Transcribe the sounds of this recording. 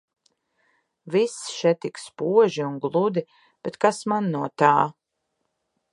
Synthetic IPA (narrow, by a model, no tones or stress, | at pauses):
visʃɛt̪ikspuɔʒiunɡlˠud̪i | b̥ɛt̪kasmanːuɔt̪aː